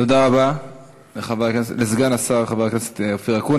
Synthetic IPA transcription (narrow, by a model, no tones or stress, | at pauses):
t̪od̪aʁaba | leχavakneselezɡanasaʁχavaʁknese̥t̪ofiʁakun